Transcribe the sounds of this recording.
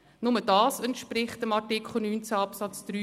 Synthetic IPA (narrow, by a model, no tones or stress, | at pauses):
nʊməd̥ɑːsəntʃpɾɪχtəmɑtikʰl̩ˠnyːnt͡saɑpsɑt͡sd̥ɾyː